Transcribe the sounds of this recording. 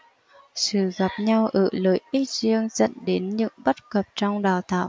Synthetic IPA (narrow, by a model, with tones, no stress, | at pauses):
sɨ̰˧˨ɣa˨˩p̚ɲa˧wʔəː˧˩ləː˨˦jʔi˦˥t̚zi˧əŋzə̰˧˨nɗe˨˦nɲɨ̰˧˥ŋɓə˦˥t̚kə˨˩p̚t͡ɕɔ˧wŋ͡mɗaː˨˩wt̪ʰa̰ː˧˨w